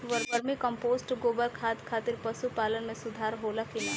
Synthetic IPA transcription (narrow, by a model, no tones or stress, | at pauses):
ʋɐɾbəɾmikɐ̃mpoːzʈɡoːbəlkʰaːt̪kʰaːt̪ɪɾpɐsupaːlənmẽsʊd̪ʱaːɾɦoːlakina